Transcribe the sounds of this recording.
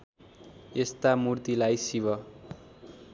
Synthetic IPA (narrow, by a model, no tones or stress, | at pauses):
est̪amurt̪ilajsiβʌ